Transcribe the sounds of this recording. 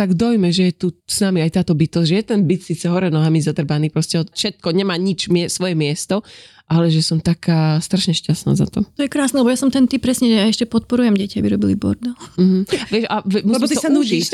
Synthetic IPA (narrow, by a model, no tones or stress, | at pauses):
t̪aɡd̪ɔjmɛʒɛjɛt̪usnamiajt̪aːt̪ɔbit̪ɔzʒɛjɛt̪ɛnbit̪siːt͡sɛɦɔɾɛnɔɦamizad̪r̩baniːpɾɔscɛɔfʃɛt̪̚kɔɲɛmaːɲit͡ʃmɛsʋɔjɛmɪɛst̪ɔ | ʔalɛʒɛsɔmt̪akʰaːst̪ɾaʃɲɛʃcasna̰ːza̰t̪ɔ̰t̪ɔjɛkɾaːsnɛlɛbɔjasɔmt̪ɛnt̪ipːɾɛsɲɛʒɛjaɛʃcɛpɔt̪̚pɔɾujɛmɟɛcabiɾɔbilibɔ̰ɾd̪am̩m̩ʋɛʃaʋɛmuslisiɔsanui